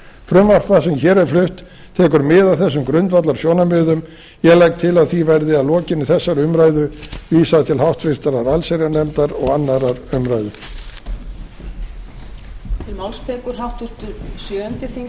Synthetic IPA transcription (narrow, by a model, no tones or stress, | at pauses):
fɾʏmvar̥fθasɛmçɛːɾɛɾ̥flʏht̪ʰː | ɛːkʏɾmɪðaðθɛsːʏmkɾʏnt̪vat̪laɾ̥sjoːwnamʏːðʏm | jɛɣlajk̚t̪ʰɪlaðθivɛɾðɪaðlɔːcɪnɪθɛsːaɾʏmɾaːjðʏviːsat̪ʰɪlɦawht̪fɪr̥t̪aɾaɾalseɾanɛmt̪aɾɔɣanːaɾaɾʏmɾajðʏ | tt̪ʰɪlmawlst̪ʰɛːkʏɾ̥ɦawt̪vɪɾ̥t̪ʏɾsjœːɛnt̪ɪθiŋ